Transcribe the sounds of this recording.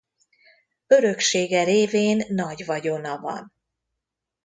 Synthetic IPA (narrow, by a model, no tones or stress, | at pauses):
ø̞ɾø̞kʃeːɡɛɾeːveːnːɒɟvɒɟo̞nɒvɒ̰n